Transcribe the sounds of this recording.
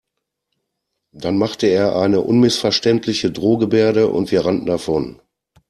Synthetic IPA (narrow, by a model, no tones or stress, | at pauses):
d̥anmaχtəeːɐʔaɪnəʔʊnmɪsfɛɐʃtɛntʰlɪçədʁoːɡəbeːɐɾəʔʊ̰ntv̥iːɐʁandn̩dafɔn